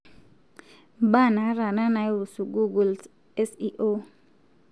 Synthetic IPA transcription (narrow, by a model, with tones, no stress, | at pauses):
ɓa˦˨na˨˦ɾa˨na˦na˨i˦u˨su˨ɡu˦ɡu˨ls | ɛ˦si˦ʔo˦